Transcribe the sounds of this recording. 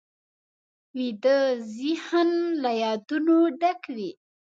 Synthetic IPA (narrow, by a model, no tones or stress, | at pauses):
wid̪əzihənlajɑd̪unoɖakwi